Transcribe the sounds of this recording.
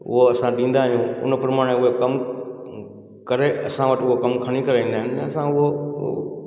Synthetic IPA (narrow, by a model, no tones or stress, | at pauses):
ʊ̰ɦoɐsãɗĩːn̆d̪aːɦijũʊ̰n̆pɐɾmaːɽ̃eʊɦekɐm | kɐɾeɐ̰sãʋɐʈʊɦokɐmkʰɐɽ̃ikɐɾaĩːd̪aːɦɪnɪ̃ɐsãʊɦo